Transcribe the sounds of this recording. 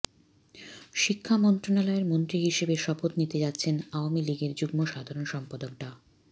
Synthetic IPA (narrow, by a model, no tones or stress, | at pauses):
ʃikʰːamɔnt̪ɾonalɔeɾmont̪ɾiɦiʃebeʃɔpot̪nit̪ed͡ʑatːɕʰenaoamiliɡeɾd͡ʑuɡmoʃad̪ʱaɾonʃɔmpad̪ok̚ʈa